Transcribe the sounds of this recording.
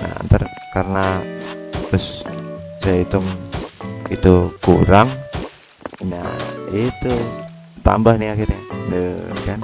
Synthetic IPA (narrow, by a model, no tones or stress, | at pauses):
na̰nt̪ər | kaɾəna | t̪ʊssait̪ʊm | it̪ukuɾaŋ | na̰it̪u | t̪a̰mbahniakirendəkan